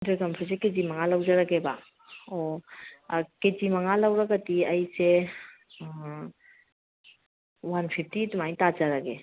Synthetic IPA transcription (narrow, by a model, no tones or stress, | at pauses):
dəɾɡampʰusekezimaŋalawd͡ʒaɾaɡeba | ɔ | ked͡ʒimaŋalawɾaɡatiɐjse | wanpʰip̚ʰtitumajtazaɾaɡe